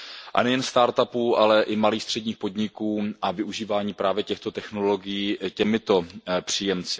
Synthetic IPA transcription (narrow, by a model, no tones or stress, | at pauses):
ʔa̰nɛjɛnst̪aːɾt̪apuʔalɛʔɪmaliːxst̪r̥ɛdɲiːxpo̞d̪ɲɪkuːʔavɪʔuʒiːvaːɲiːpɾaːvjɛcɛxt̪o̞t̪ɛxno̞lo̞ɡɪjiːcɛmɪt̪o̞pr̝̥iːjɛmt͡sɪ